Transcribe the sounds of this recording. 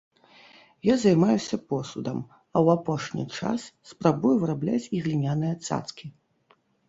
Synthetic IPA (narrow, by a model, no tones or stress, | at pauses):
jazajmajusʲɐpɔsud̪ɐm | ɐwapɔʂnʲḭt͡ʂa̰sːpɾabujuvɨɾablʲat͡sʲiɣlʲinʲanɨjɐt̪sa̰t̪skʲi